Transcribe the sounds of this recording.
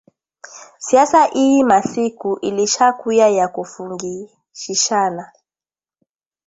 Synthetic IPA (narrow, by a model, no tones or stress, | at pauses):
siasaʔiimasikuʔiliʃakujajakufuŋɡi | ʃiʃana